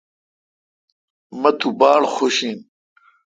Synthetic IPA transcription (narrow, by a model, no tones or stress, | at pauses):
mɐt̪ubaːɽxoɕiːn